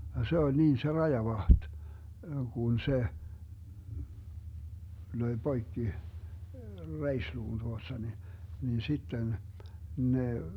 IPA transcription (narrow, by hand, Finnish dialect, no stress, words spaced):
jɑ se olʲ niːn se rɑjɑʋɑht kun se løi b̥oikːi reisluːn tuostɑ ni nin sitːen ne